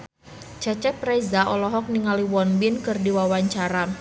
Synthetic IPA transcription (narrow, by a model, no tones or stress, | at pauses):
t͡ʃat͡ʃɛt̪̚pɾɛzaʔɔlɔɦɔk̚niŋaliwɔnbinkɨrdiwawaɲt͡ʃaɾa